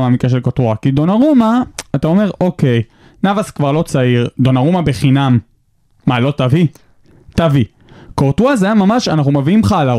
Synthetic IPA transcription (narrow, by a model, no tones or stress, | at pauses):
maːmikaʃ̬elkoʁt̪uakid̪onaʁumaːt̪ao̞me̞ʁʔo̞ke̞j | navaskvaʁlo̞t͡saiʁd̪o̞naʁumabeχinamː | alo̞tavi | tavi | koʁt̪uazajamamaʃanaχnumaviimχala